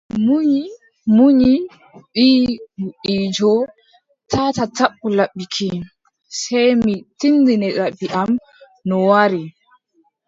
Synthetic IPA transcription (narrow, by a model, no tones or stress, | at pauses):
muɲi | muɲi | ɓihuʔid͡ʒɔ | tʰatataɓːulaɓːikʰi | sajmitindinɛɗaɓːiʔam | nɔwaɾi